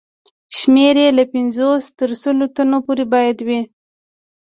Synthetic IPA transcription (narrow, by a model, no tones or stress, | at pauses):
ʃmeɾelapɪnzost̪əɾsəlot̪anopoɾebɑjad̪wi